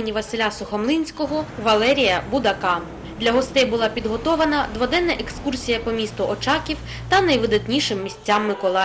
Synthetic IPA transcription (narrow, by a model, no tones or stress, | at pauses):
nʲiʋɐsɪlʲasʊxɔmlˠinʲsʲkɔɦɔʋɐlˠɛɾʲijɐbʊd̪ɐkɑ | d̪lʲɐɦɔst̪ɪjbʊlˠɑpʲid̪ɦɔt̪ɔʋɐnɐd̪ʋɔd̪ɛnːɐʔekskursʲijɐpɔmʲist̪ʊɔt͡ʃɑkʲiw | t̪ɐnɐjʋɪd̪ɐt̪ʲnʲiʃɪmːʲisʲt͡sʲːamːɪkɔlˠɑ